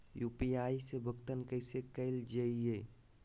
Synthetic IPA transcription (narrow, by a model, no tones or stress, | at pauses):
jupiaisebʱəkt̪ənkəjsekəɪld͡ʒəije